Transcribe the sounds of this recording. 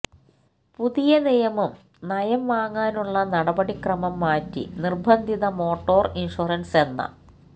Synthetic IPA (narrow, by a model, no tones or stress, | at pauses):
puðijɐnijɐmum | nɐjɐmʋaːŋːaːnuɭːɐnɐɽɐbɐɽikrɐmɐmːaːtːḭnirbʱɐnd̪ʱiðɐmo̞ːʈːo̞ːrinʂurɐnse̞nːɐ̰